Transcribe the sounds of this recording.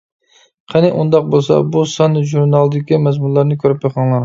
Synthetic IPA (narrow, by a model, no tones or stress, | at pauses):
qʰɑnɨʔund̪ɑq̚bolˠsɑ̰busɑnɨʒuɾnɑlˠɨd̪ɪkʲimɛzmunlˠɑɾnɪkʲʰøɾypjɑqʰɑŋlˠɑɾ